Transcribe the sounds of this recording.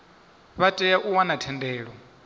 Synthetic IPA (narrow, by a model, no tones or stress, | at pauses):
βatʼɛjaʔuwanatʰɛndɛːɺɔ